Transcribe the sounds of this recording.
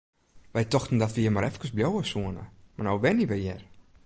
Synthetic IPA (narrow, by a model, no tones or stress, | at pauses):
ʋɛjtɔxtən̩dɔtʋəjɪmaɾɛfkəsbljowəsuənə̰marnowbɛniʋɛjɛr